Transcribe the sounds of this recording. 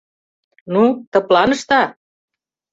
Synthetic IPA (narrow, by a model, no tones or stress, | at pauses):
nut̪ɤ̆plɑnɤ̆ʃt̪ɑ